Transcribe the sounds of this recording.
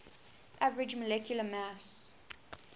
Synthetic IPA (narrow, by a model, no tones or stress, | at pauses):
ʔavəɹɪd͡ʒməlɛkʰjuləmas